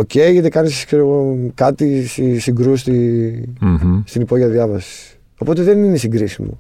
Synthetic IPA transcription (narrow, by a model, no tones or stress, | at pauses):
oce̞eçet̪ekɐniskseɾoɣokɐt̪isisiŋɡɾust̪i | st̪inipo̞ʝiɐðjɐvɐsi̥ss | opo̞t̪e̞ðeninesiŋɡɾisimo̰